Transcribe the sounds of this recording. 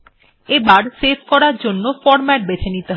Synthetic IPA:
ebaɾsefkɔɾaɾd͡ʑonːofɔɾmɛʈ̚bet͡ɕʰenit̪eɦ

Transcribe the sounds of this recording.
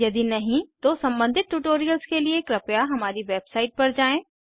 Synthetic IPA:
jɐd̪inɐɦĩt̪osɐ̃mbə̃nd̪ʱɪt̪̚ʈuːʈoːɾijəlskeliekɾɐpjaɦɐmaːɾiʋeːbsaːɪʈ̚pɐɾd͡ʒaːẽː

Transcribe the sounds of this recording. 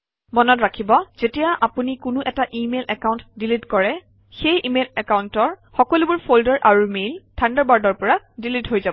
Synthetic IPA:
mɔnɔtɹakʰibɔz̥etijaʔapunikʊnʊʔɛtaʔimelʔɛkaw̃ntdilitkɔɹɛ | xejʔimelɛkawntɔɹxɔkɔlubuɹpʰoldɔɹʔaɹumeltʰandaɹbaɹdɔɹpɔɹa | dilitɦojzabɔ

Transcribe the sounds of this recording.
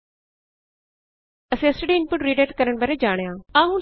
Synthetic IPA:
ɐsĩːɐsʈəɖiːɪnpʊʈɾiːɖeːʈkəɾəɽ̃bɐɾeːd͡ʒaːɽ̃jãːãːɦũː

